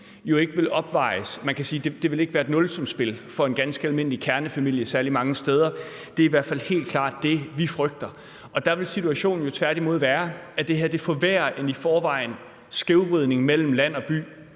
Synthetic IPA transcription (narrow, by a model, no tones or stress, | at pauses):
jo̝e̝ɡ̥əʋe̝lɒ̽b̥ʋɑ̈ɪsmænkʰæsiːd̥e̝d̥e̝ʋe̝le̝ɡ̥ʋæːɐd̥nɔ̽lsɒ̽msb̥e̝lfɒ̽e̝nɡ̥ænsɡ̥əælme̝n̰likʰæɐnəfæmil̰jəsæɐlimɑ̈ŋəsd̥eːð̞ˠɐ | d̥e̝iʋæɐ̰d̥fælhe̝̰ːld̥̚kʰl̥ɑ̰̈ːd̥̚ːe̝ʋifʁœɡ̥̚d̥ɐ | ʔɒ̽d̥ɑ̈ʋe̝lsit͡sʰuæɕo̝̰ːn̩jo̝t͡sʰʋæɐɾ̥imo̝ð̞̰ˠʋæːɐæd̥e̝ɦeɐd̥e̝fɒ̽ʋæːɐʔenifɒːʋɑ̈ɪ̰n | sɡ̥e̝ʊʋʁið̞̰ˠne̝ŋmel̰m̩læn̰ɒ̽b̥y̰ː